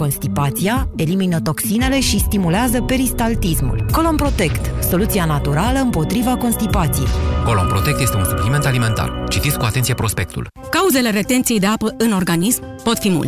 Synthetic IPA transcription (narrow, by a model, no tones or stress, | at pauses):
ko̞nst̪ipat̪siae̞liminət̪o̞ksine̞le̞ʃist̪imuleazəpe̞ɾist̪alt̪ismṵlko̞lo̞mpɾo̞t̪e̞kt̪ | so̞lut̪sianat̪uɾaləɨmpo̞t̪ɾivako̞nst̪ipat̪sije̞̰jko̞lompɾot̪e̞k̚t̪jest̪eunsuplime̞nt̪alime̞nt̪a̰rt͡ʃit̪it̪skuat̪ent̪siepɾo̞spe̞k̚t̪ṵl | kauze̞le̞ɾe̞t̪e̞nt̪sijejd̪e̞apəɨno̞rɡanismm | po̞t̪fimṵl